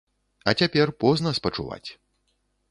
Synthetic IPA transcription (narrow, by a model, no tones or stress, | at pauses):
ɐt͡sʲapʲɛrpɔznɐspɐt͡ʂuva̰t͡sʲ